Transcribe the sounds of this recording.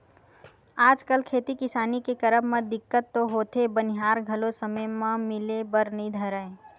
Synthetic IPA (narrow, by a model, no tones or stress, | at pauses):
aːd͡ʒkəlkʰeːt̪ikɪsaːnikekəɾəbmẽd̪ɪkːət̪ːoɦoːt̪ʰebəniɦaːɾɡʱəlosəməjmãmɪlebəɾnəĩd̪ʱəɾəẽ